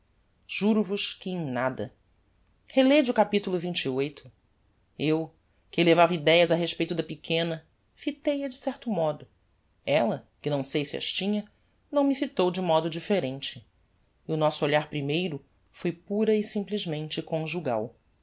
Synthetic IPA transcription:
ʒ̥uɾʊvʊʃkɪẽj̃nad̪ɐ̰ | heled͡ʒʊkapit̪ulˠʊvĩnt͡ʃiojt̪ʰʊ̥ | ew | kɪlevavɐid̪ɛjɐzɐɦeʃpejt̪ʊd̪ɐpikʰẽnɐ | fit̪ejɐd͡ʒɪsɛɾt̪ʊmɔd̪ʊ | ɛlɐkɪnɐ̃w̃sejsɪɐ̰ʃt͡ʃĩɲɐ | nɐ̃w̃mɪfit̪owd͡ʒɪmɔd̪ʊd͡ʒifeɾẽnt͡ʃɪ | ɪʊnɔsʊoʎaɾpɾimejɾʊ | fojpuɾɐisĩmpliʒmẽnt͡ʃɪkõʒuɡa̰w

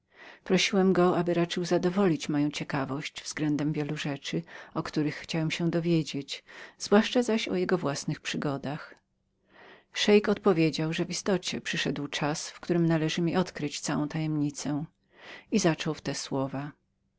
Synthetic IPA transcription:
pɾɔɕiwɛmɡɔabɘɾat͡ʂɘwzad̪ɔvɔlʲit͡ɕmɔjɔ̃w̃t͡ɕɛkavɔɕt͡ɕvz̥ɡlɛnd̪ɛmvʲjɛluʐɛt͡ʂɘɔkt̪uɾɘxːt͡ɕawɛmɕɛ̃d̪ɔvʲjed͡ʑet͡ɕz̥vwaʂt͡ʂazaɕɔ̰jɛɡɔvwasnɨxpʂɨɡɔd̪ax | ʂɛjkɔt̪̚pɔvʲjed͡ʑawʐɛvist̪ɔt͡ɕɛpʂɘʂɛd̪wt͡ʂasfkt̪uɾɘmnalɛʐɘmʲiʔɔt̪kɾɨt͡ɕt̪sawɔ̃w̃t̪ajɛmɲit̪sɛ | izat͡ʂɔwft̪ɛswɔva

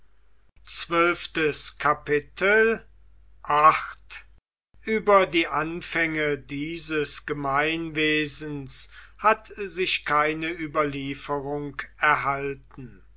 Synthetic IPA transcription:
t͡sv̥œlftəskʰapɪtʰəl | ʔaxt | ʔyːbɐdiːʔanfɛŋədiːzəsɡ̥əmaɪnveːzən̩s | hatzɪʃkʰaɪnəʔyːbɐliːfəʁʊŋkɛɐɦaltn̩

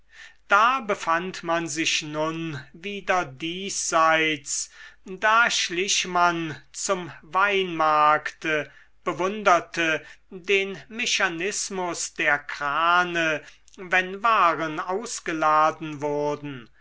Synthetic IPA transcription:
d̥aːbəfantmanzɪʃnʊnviːdɐdiːszaɪt͡sdaːʃlɪʃmant͡sʊmvaɪnmaɐktə | b̥əvʊndɐtʰədeːnmɛʃanɪsmʊsd̥eːɐkʁ̥aːnə | vɛnvaːʁənaʊsɡ̥əlaːdn̩vʊɐdn̩

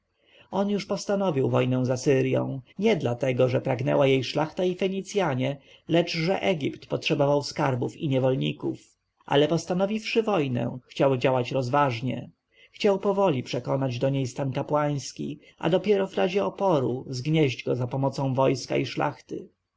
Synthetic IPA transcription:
ɔnjuʂpɔst̪anɔvʲiwvɔjnɛ̃w̃zasɘɾjɔ̰̃w̃ɲɛd̪lat̪ɛɡɔʐɛpɾaɡnɛ̰wajejʂlaxt̪aifɛɲit̪sʲjaɲɛ | lɛt͡ʂʐɛʔɛɡʲipt̪pɔtʂɛbɔvawskaɾbufiɲɛvɔlɲḭkuf | ʔa̰lɛpɔst̪anɔvʲifʂɘvɔjnɛ̰xt͡ɕawd͡ʑawat͡ɕɾɔzvaʐɲɛ̰ | xt͡ɕawpɔvɔlʲipʂɛkɔnad͡ʑd̪ɔɲejst̪ankapwaj̃skʲḭ | ʔa̰d̪ɔpʲjɛɾɔvɾaʑɛɔpɔɾuzɡɲɛʑd͡ʑɡɔzapɔmɔt̪sɔ̃w̃vɔjska̰iʂla̰xt̪ɘ

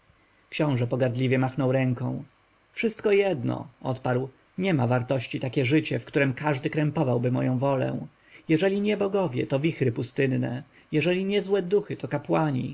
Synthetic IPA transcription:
kɕɔ̃w̃ʐɛpɔɡaɾd̪lʲivʲjɛmaxnɔwɾɛŋkɔ̃w̃ | fʂɘst̪kɔjɛd̪nɔ̰ɔt̪paɾw | ɲɛmavaɾt̪ɔɕt͡ɕit̪akʲɛʐɘt͡ɕɛfkt̪uɾɛmkaʐd̪ɘkɾɛmpɔvawbɘmɔ̰jɔ̃w̃vɔlɛ̰̃ | jɛʐɛlʲiɲɛbɔɡɔvʲjɛ̰t̪ɔvʲixɾɘpust̪ɘnːnɛ̰ | jɛʐɛlʲiɲɛzwɛd̪uxɘt̪ɔkapwaɲḭ

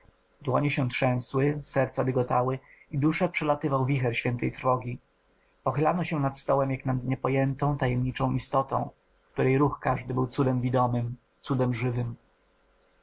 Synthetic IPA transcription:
d̪wɔɲɛɕɛt̪ʂɛ̃w̃swɘsɛɾt̪sad̪ɘɡɔt̪awɘ | id̪uʂɛpʂɛlat̪ɘvawvʲixɛɾɕfʲjɛnt̪ɛjt̪ɾfɔɡʲi | pɔxɘlanɔɕɛnat̪st̪ɔwɛmjaknad̪ɲɛpɔjɛnt̪ɔ̃w̃t̪ajɛmɲit͡ʂɔ̃w̃ʔist̪ɔt̪ɔ̰̃w̃ | kt̪uɾɛjɾuxkaʐd̪ɘbɘwt̪sud̪ɛmvʲid̪ɔmɘm | t̪sud̪ɛmʐɘvɘm

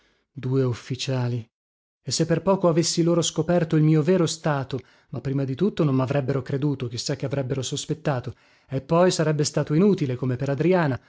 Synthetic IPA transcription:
d̪uːeufːit͡ʃaːli | esːepːerpɔːkoavesːiloːɾoskopɛrt̪oilmiːoveːɾost̪aːt̪o | mapːɾiːmad̪it̪ut̪ːonomːavɾʔɛbːeɾokɾed̪uːt̪ok̟isːakːeavɾɛbːeɾosospet̪ːaːt̪o | epːɔjsaɾɛbːest̪aːt̪oinuːt̪ilekomepeɾad̪ɾiaːna

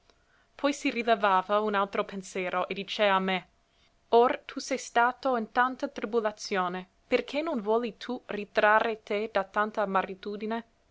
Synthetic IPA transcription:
pʰɔjsirilevaːvaunalt̪ɾopensjɛːɾoʔed̪it͡ʃeamːe | ort̪ʰusɛjst̪aːt̪oint̪ant̪at̪ɾibulat̪sjoːne | perkʰenonvwɔːlit̪ʰurit̪ɾarːet̪ed̪at̪ant̪amaɾit̪uːd̪ine

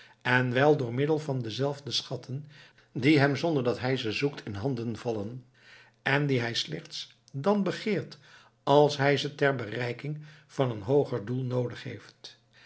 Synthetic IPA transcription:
ɛnʋɛlˠdʊːɹmɪdəlˠvɑndəzɛlˠvdəsχɑtʰən | diɦɛmzɔndəɹdɑtɦɛjzəzuktʰɪnɦɑndənvɑlən | ʔɛndiɦɛjslɛχts | dɑnbəχɪːɹt | ɑlˠsɦɛjzətɛɹbərɛjkɪŋv̥ɑnənɦowχəɹdulˠnowdəχɦḛjft

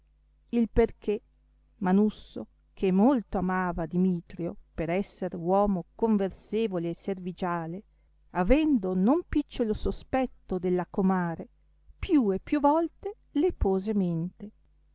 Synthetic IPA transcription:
ilperk̟e | manusːo̰ | kʰemːolt̪oamaːvad̪imiːt̪ɾjopeɾɛsːeɾwɔːmokoɱverseːvoleːservid͡ʒaːle | avɛnd̪onompit͡ʃːolosospɛt̪ːod̪elːakomaːɾe | pjuepːjuvɔlt̪e | lepoːzement̪e

